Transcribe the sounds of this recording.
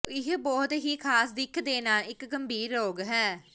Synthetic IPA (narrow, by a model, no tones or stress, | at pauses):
ɪɦbɔːt̪ɦiːkʰaːsd̪ɪkʰd̪eːnãːɪkɡəmbʱiːɾːoːɡɦɛː